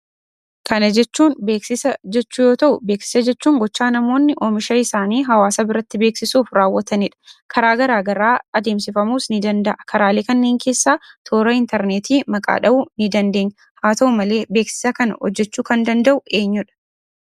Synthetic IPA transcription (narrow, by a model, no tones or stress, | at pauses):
kɐnɐd͡ʒɛt͡ʃːuːnbe̞ːksɪsɐd͡ʒɛt͡ʃːuːjo̞ːt̪ɐʔʊbe̞ːksɪ̥sɐd͡ʒɛt͡ʃːuːŋɡɔt͡ʃːaːnɐmo̞ːnːɪʔoːmɪʃɐɪsaːniːɦɐwaːsɐbɪɾɐt̪ːɪbe̞ːksɪsuːfɾaːwːɐt̪ɐnɪᶑɐ̥kʰɐɾaːɡɐɾaːɡɐɾaːɐd̪e̞ːmsɪfɐmuːsnɪd̪ɐnd̪ɐʔɐkʰɐɾaːleːkɐnːe̞ːŋkʰe̞ːsːaːt̪ʰoːɾɐɪnt̪ɛɾneːt̪ʰiːmɐkʼa̰ːᶑɐʔʊnɪd̪ɐnd̪eːɲːɐ | haːt̪ɐʊmɐle̞ːbe̞ːksɪ̥sɐkɐnɐ̰hɔ̰d͡ʒːɛt͡ʃːuːkɐnd̪ɐnd̪ɐʔʊʔe̞ːɲːʊᶑɐ̥